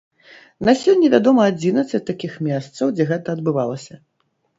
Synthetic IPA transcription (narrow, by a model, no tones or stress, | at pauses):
nasʲɔnʲːɛvʲad̪ɔmɐad͡zʲinɐt̪sːɐt͡sʲt̪akʲixmʲɛst̪sɐwd͡zʲɛɣɛt̪ɐɐd̪̚bɨvalˠɐsʲɐ